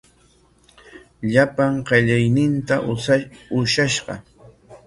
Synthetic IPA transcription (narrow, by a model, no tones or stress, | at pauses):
ʎapaŋɢɑʎajnɪnt̪aʔʊʃaʃɢɑ̰